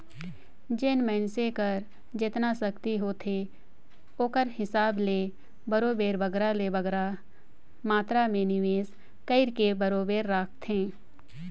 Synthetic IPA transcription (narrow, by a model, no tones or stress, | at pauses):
d͡ʒɪnmɛːnsekəɾ | d͡ʒɪt̪nasɐkt̪iɦoːt̪ʰe | oːkəɾhɪsaːbleː | bɐɾoːbeːɾbɐɡɾalebəɡɾa | maːt̪ɾamẽnɪʋeːs | kəɪɾkebɐɾoːbeːɾːaːk̚ʰt̪ɦẽː